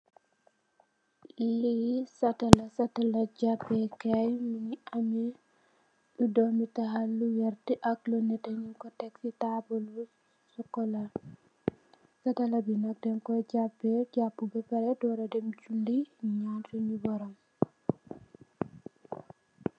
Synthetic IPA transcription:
ʔilisatalasatalad͡ʒapːɛkajminiamɛ | ɗudɔmitaɦalːujaɾtiʔaklɔnːɛtaɲikɔtɛksitabɔlu | sɔkːɔla | satalabinak̚dɛnkɔd͡ʒapːɛd͡ʒapːubɛpɛɾɛdɔɾadɛmd͡ʒulːiiɲantuɲubɔɾɔm

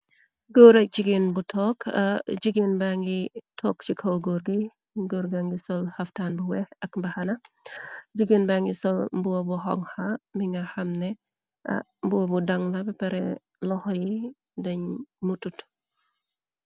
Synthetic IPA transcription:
ɡɔːɾɐk̚d͡ʒiɡenbutʰɔːkʰɐd͡ʒiɡinbaŋɡitʰɔːk̚t͡ʃikʰɐwɡoːɾɡij | ɡoɾɡaŋɡisɔlhɐftaːnbuwɛhɐkmbɐhɐnɐ | d͡ʒiɡinbaŋɡisɔlmbuwɐbuɦɔŋhamiŋɡɐhɐmnɛ | ʔɐ̰ | mbuwɐbudɐŋlɐbɛpɐɾɛ̰ | lɔhɔji | dɐɲmutut

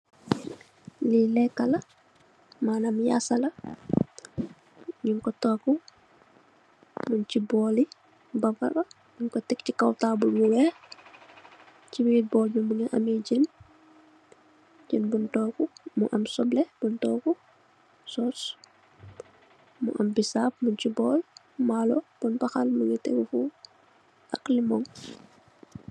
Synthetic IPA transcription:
lilɛkala | manamja̰sala | ɲiŋkɔtɔku | munt͡ʃibɔli | baba̰ba | ɲiŋkɔtɛkt͡ʃikawtabulmuwɛ | t͡ʃiwiwibɔlmimuŋɛʔa̰mid͡ʒɛn | d͡ʒɛnbuntɔːkumuʔamsɔblɛb̥untɔku | sɔs | mṵʔambisap̚muncibɔːl | malɔb̥unbaxalmuŋɛtɛ̰ŋfu | ʔaklimɔŋ

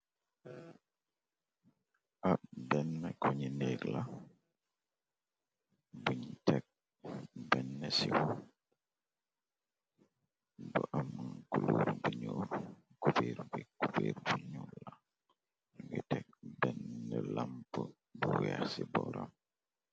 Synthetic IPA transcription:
ʔabɛnːɛkɔɲineɡla | buɲitɛk̚ | bɛnːɛsiw | bəʔamːankuluɾbuɲoɾ | kubeːɾbikupeɾbuɲula | ɡitɛk̚bɛnːɛlampə | buwahsibɔɾam

